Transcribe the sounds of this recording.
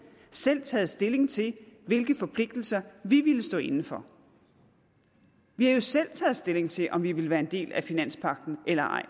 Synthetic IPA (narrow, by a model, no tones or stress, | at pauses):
sel̰t͡sʰɛːð̞̩ˠsd̥e̝le̝ŋt͡sʰe̝ʋe̝lɡ̥əfɒ̽pʰle̝ɡ̥d̥l̩sɐʋiʋiləsd̥ɔ̰ːe̝nn̩fɒ̽ | ʋihæjo̝sel̰t͡sʰɛð̞̩ˠsd̥e̝le̝ŋt͡sʰe̝ʔɒ̽mʋiʋe̝ləʋæːɐe̝nd̥e̝̰ːlæfinæn̰spʰɑ̈ɡ̥̚d̥n̩ʔelɐʔɑ̰̈ɪ̰